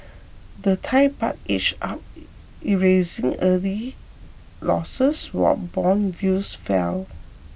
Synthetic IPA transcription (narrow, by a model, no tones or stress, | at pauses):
dətʰajpat̚et͡ʃap̚ | iɹezĩŋəli | lɔ̰səswɔ̰t̚bɔ̃njusfɛ̰l